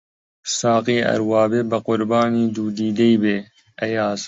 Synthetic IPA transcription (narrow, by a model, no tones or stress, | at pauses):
sɑːqiːɐ̰ɾwɑːbeːbɐqʊɾbɑːniːd̪uːd̪iːd̪ejbeː | ɐjɑːz